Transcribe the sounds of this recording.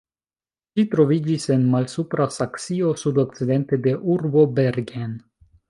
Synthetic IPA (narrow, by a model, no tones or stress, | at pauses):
ʃit̪ɾo̞vid͡ʒise̞nmalsupɾasaksio̞sud̪o̞k̚t͡sid̪e̞nt̪e̞d̪e̞ʔuɾbo̞beɾɡen